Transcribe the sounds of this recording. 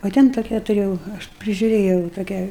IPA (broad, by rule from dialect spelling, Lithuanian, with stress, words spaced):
oː ˈtʲɛn toːˈkʲæː tʊˈrʲeːjɛʊ ˈɐʃ pʲrʲɪʒʲʊˈrʲeːjɛʊ toːˈkʲæː